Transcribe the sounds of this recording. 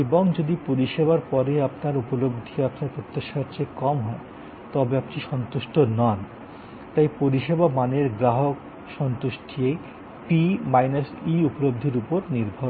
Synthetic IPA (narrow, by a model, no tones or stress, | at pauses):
eboŋd͡ʑod̪ipoɾiʃebaɾpɔɾeapnaɾupolobd̪ʱiapnaɾpɾot̪ːaʃaɾt͡ɕʰekɔmɦɔe | t̪ɔbeaptiʃɔnt̪uʃʈonɔn | t̪ajpoɾiʃebamaneɾɡɾaɦok | ʃɔnt̪uʃʈ̪ʰie | pimajnasiupolob̚d̪ʱeɾupoɾniɾbʱo